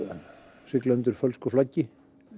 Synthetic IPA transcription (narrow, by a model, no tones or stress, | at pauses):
sɪklɛnt̪ʏɾ̥fœlskɔflacːɪ